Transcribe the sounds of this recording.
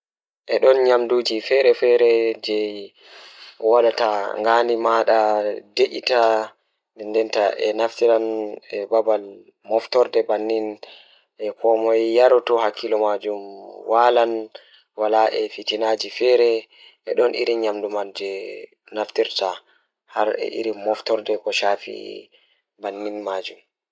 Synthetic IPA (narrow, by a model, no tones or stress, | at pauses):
ʔɛɗɔnɲamdud͡ʒifɛɾɛfɛɾɛd͡ʒɛ | waɗataŋɡanimaɗadeʔḭta | dɛndɛntaʔɛnaftiɾanɛbabal | mɔftɔɾdɛbanːin | ʔɛkɔmɔjjaɾɔtɔhakʰːilɔmad͡ʒumwalan | walaʔɛfitinaːd͡ʒifɛɾɛ | ʔɛɗɔnʔḭɾiɲamdumand͡ʒɛ | naftiɾta | haɾɛ̰ʔḭɾimɔftɔɾdɛkɔʃaːfḭ | banːinmaːd͡ʒum